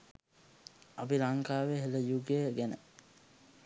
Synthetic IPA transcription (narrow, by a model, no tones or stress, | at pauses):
apiɾaŋkaːʋeɦeləjuɡejɡɛnə